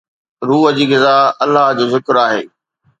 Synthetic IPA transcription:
ɾuːɦəd͡ʑiːɣɪzaɐlːaɦd͡ʑoːzɪkɾaːɦḛː

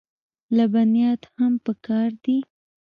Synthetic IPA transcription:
labanjɑt̪hampəkɑɾd̪i

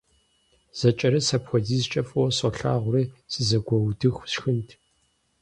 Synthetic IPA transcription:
z̥ɐt͡ʃʼɐɾɐsɐpxʷɔziːzt͡ʃʼɐfʼɐwɔsɔɬa̰ːʁʷʊriːsɨzɐɡʷɔwdɨxʷsxɨntʰ

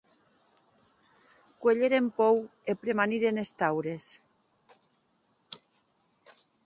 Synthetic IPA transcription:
kweʎeɾempɔwepɾemaniɾenest̪awɾes

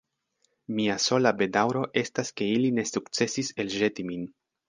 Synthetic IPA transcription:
miaso̞labe̞dawɾo̞ʔe̞staske̞iline̞sukt͡se̞sise̞lʒe̞timin

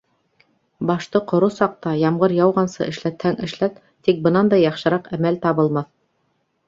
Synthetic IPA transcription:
bɑʃt̪ɤqŏɾosɑq̚t̪ɑjɑmʁɤɾjɑwʁɑnsɤ̰ʔɘ̆ʃlæt̪hæŋɘ̆ʃlæt̪ | t̪ik̚bɤ̆nɑnd̪ɑjɑχʃɤ̆ɾɑqæmælt̪ɑβɤ̆lˠmɑθ

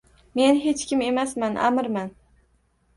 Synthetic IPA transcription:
me̞nɦe̞t͡ʃkʲʰɪme̞masmanʔa̰mɾman

